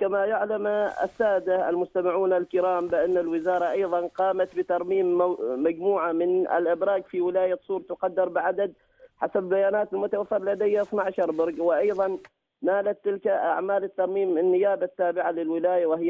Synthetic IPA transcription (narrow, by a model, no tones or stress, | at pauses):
kamajʊʕlama̰sːaːd̪aa̰lmʊst̪amɪʕuːnalkɪɾɑːmbɪʔanːalwɪzɑːɾˤɑʔɑjðˤɑnqɑːmat̪bɪt̪ɑɾˤmiːmːad͡ʒmuːʕamɪnɪ̰lʔɪbɾɑːɡfiwɪlaːjasˤuːɾˤɑt̪ʊqɑd̪ːɑɾˤbɪʕad̪ad̪̚ | ħasabbajaːnaːt̪ɪlmʊt̪awafːɪɾˤlad̪ajːaʔɪθnaʕʃɑɾˤbɪɾˤɡwɪʔɑjðˤɑnː | aːlat̪ːɪlkaʔa̰ʕmaːlɪt̪ːɑɾˤmiːmːɪnːɪjaːbat̪ːaːbɪʕalɪlwɪlaːjawɪhɪj